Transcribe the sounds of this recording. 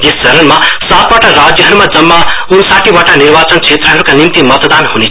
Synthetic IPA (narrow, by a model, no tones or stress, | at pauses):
jest͡sʌɾʌnmasat̪waʈarad͡zjʌɦʌɾumad͡zʌmːaunsaʈibaʈanirbat͡sʌnt͡sʰet̪rʌɦʌɾukanimt̪imʌt̪d̪anhune